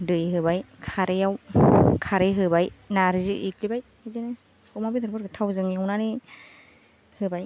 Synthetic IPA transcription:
dɯjɦɯbajkʰaɾijawkʰaɾeɦɯbajnaɾzɯʔḭklibaj | izenɯ | hɔmabidɔɾbɯɾɡɯtʰawzɯŋiawnani | hɯbaj

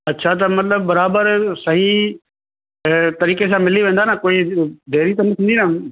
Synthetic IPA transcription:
ɐtːɕʰat̪̬ɐmɐt̪ləb̚ːɐɾaːbəɾsɐɦi | t̪ɐɾiːkes̬ãmɪliʋẽːn̆d̪aːnakoːid̪eːɾit̪ɐnət̪ʰĩnd̪ina

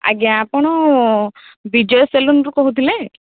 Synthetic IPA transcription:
a̰ɡiaapɔɽ̃ɔ | bid͡ʒɔjɔselunɾukɔɦut̪ʰile

